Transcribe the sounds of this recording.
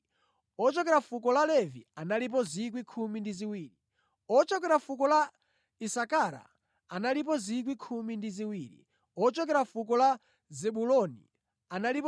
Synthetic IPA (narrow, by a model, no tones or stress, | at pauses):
ɔt͡ʃɔkɛɾafukɔlalɛvḭanalip̬ɔzik̬wikʰumindiziwiːɾi | ɔt͡ʃɔk̬ɛɾafukɔla | isakaɾa̰ | analip̬ɔzik̬wikʰumindiziwiːɾḭ | ɔt͡ʃɔkɛɾafukɔla | zɛɓulɔnḭ | analip